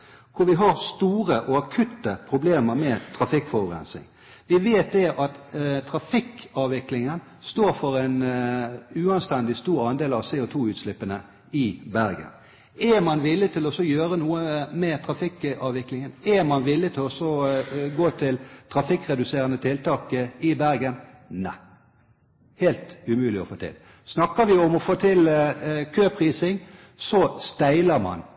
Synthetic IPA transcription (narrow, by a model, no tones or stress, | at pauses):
kʰʊɾʋɪɦɑɾst̪uːɾəʔɔɑkʰʉt̪ːəpʰɾʊbleːməɾmɛt̪ʰɾɑfɪkfɔʁʊʁɛ̰nsɪ̰ŋ | ʋɪʋeːt̪̚d̪ɛʔɑt̪t̪ʰɾɑfɪkɑːʋʋɪklɪŋən | st̪oːɾfɔʁɛɪn | ʉːɑnst̪ɛnd̪ɪst̪uːɾɑnd̪eːlɑʋseːɔt̪ʰuːʉːt̪slɪpːənə | ɪbæɾɡə̰n | ɛmɑnʋɪlːɪt̪ʰɪlɔsɔjøːɾənuːəmɛt̪ʰɾɑfɪkɑːʋʋɪklɪŋənɛmɑnʋɪlːɪt̪ʰɪlɔsɔɡoːt̪ʰɪlt̪ʰɾɑfɪkːʁɛd̪ʉseːʁənət̪ʰɪlt̪ʰɑːkəɪbæɾɡənnæ̰ɪ | heːlt̪ʉmʉːlɪɔ̰foːt̪ʰɪ̰l | snɑkːəʋɪɔmɔfoːt̪ʰɪlkʰøːpʰʁiːsɪŋ | sɔst̪æɪləɾmɑ̰n